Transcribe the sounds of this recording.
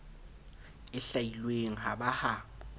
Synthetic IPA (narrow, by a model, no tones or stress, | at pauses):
ɪɬailweŋ̩ɦabaha